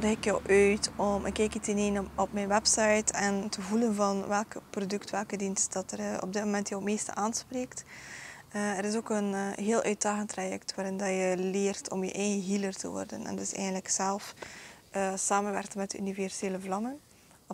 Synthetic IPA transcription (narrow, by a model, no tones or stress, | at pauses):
dəxɪkjɔwʔœɥtɔmɪkːɛjkisɪneːnɔpmɛjnwɛpsɑjtʰɛntʰəvulənvɑnʋɛlˠkprodɵktʋɛlˠkədinst̚d̥ɑtərɔ̰b̚dɪtmomɛntjəwmeːstə̰ʔaːnspreːkt | əəɾɪsoːkənɦeːlˠʔœːɥt̚daːɣəntrajɛ̰ktʋaːɾɪndɑjəleːrtʰɔ̰mjə̰ʔɛjɣəɦilərtə̰ʋɔ̰rdə̰nɛ̰ndɪsɛ̰jɣəndləksɛlˠfʔəsaːmənʋɛ̰rkmɛtdəy̰nivɛrz̥eːləvlɑmən